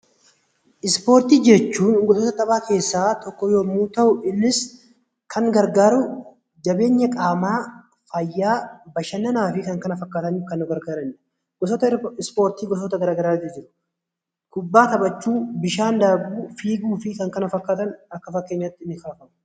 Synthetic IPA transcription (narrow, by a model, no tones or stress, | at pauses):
ʔɪspo̞ːɾt̪iːd͡ʒɛt͡ʃːuːnɡɔsoːt̪ɐt̪ʼɐbʼaːkʰe̞ːsːaːt̪ɔkːɔjoːmuːt̪ɐʔʊʔɪnːɪs | kʰɐŋɡɐɾɡaːɾʊ | d͡ʒɐbe̞ːɲːɐkʼaːmaː | fɐjːaːbɐʃɐnːɐnaːfɪkɐŋkɐnɐfɐkːaːt̪ɐɲːʊkɐnːʊɡɐɾɡaːɾɐnːɛ̥ | ɡɔsɔt̪ɐɪspo̞ːɾt̪iːɡɔs̬ɔt̪ɐɡɐɾaːɡɐɾaːt̪ːɪd͡ʒɪɾʊ̥ | kʊbːaːt̪ɐbɐt͡ʃːuːbɪʃaːnd̪aːbuːfiːɡuːfɪkɐŋkɐnɐfɐkːaːt̪ɐnɐkːɐfɐkːe̞ːɲːat̪ːɪnːɪkɐɐfɐmʊ̥